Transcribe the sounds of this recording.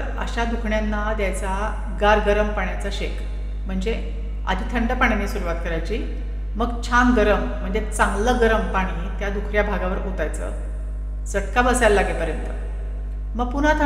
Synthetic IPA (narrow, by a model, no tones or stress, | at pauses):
əɾ | ə̰ɕad̪ukʰɳjanːad̪jajt͡sa | ɡaɾɡəɾəmpaɳjat͡saɕek | m̤əɳd͡ze | a̰d̪ʱiːt̪ʰəɳɖəpaɳjanesuɾuʋat̪kəɾajt͡ɕiː | məɡt͡ɕʰamɡəɾəm̤ːəɳd͡zet͡sãŋɡləɡəɾəmpaɽ̃iːt̪jad̪ukʰɾjabʱaɡaʋəɾot̪ajt͡sə̰ | səʈkabəsalːaɡepəɾjənt̪ə | məɡ̚pun̤at̪ʰə